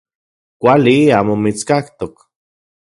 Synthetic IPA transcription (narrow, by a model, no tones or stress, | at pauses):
kʷaliaːmomit͡skakt̪ok